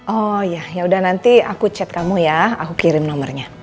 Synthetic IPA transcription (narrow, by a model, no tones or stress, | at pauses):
ʔɔjajaudahnant̪iakut͡ʃɛt̪̚kamujaa̰kukiɾɪmnɔmərɲa